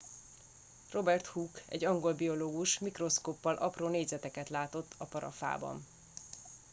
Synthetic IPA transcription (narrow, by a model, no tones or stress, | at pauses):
ro̞bɛrt̪huːkɛ̰ɟːɒŋɡo̞lbio̞loːɡuʃmikro̞skoːpːɒlʔɒproːneːɟzɛt̪ɛkɛt̪laːt̪o̞t̪ʰːɒpɒɾɒ̰fa̰ːbɒ̰n